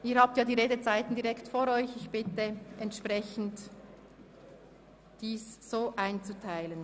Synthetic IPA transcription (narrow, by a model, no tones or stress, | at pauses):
ʔiːhaːp̚tjaːdiːʁeːdət͡saɪtn̩diʁɛktfoːɾɔʏçɪçb̥ɪtəʔɛntʃpʁɛçn̩t | d̥iːssoːʔaɪnt͡sutʰaɪlən